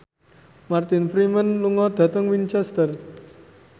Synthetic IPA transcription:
mart̪ɪnfɾimənluŋɔd̪̥ä̤t̪əŋwint͡ʃɛst̪ər

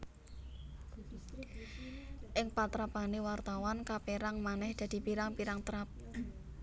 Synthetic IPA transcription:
ʔɪŋpat̪ɾapanewart̪awankapeɾaŋmanɛhd̪̥ä̤d̪̥i̤piɾaŋpiɾaŋt̪ɾap̚

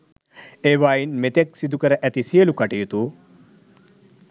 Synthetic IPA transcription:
eːʋaːjinmet̪eksid̪ukəɾəʔæt̪isijəlukaʈijut̪u

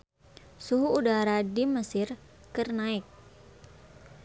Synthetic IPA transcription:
suɦuːdaɾadiməsɪrkərnaɪk̚

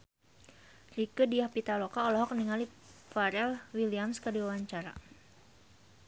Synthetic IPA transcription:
rikədiahpit̪alokaɔlɔɦɔk̚niŋalifaɾɛlwiliamskədiwawaɲt͡ʃaɾa̰

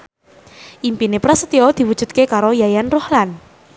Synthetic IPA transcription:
ʔimpinepɾasə̥t̪iɔd̪̥i̤wud̥ʒ̥ṳt̪̚kekaɾojajanrohlan

